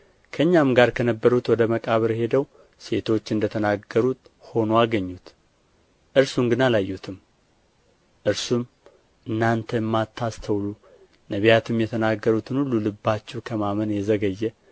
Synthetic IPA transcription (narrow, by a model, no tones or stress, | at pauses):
kʰəɨɲːamɡaɾkʰənəbːəɾut̪wɔd̪əməkʼaβəɾhe̞d̪əw | se̞t̪ʰo̞t͡ʃːɨnd̪ət̪ʰənaɡəɾut̪ho̞noaɡəɲːut̪ | ʔɨɾsuŋɡɨnalajːut̪ʰɨm | ʔɨɾsum | ʔɨnːant̪ʰəjɛmːat̪ʰːast̪ʰəwlu | nəβijat̪ʰɨmjɛt̪ʰənaɡːəɾut̪ʰɨnhulːulɨbːat͡ʃːɛwkʰəmamənjɛzəɡəjːɛ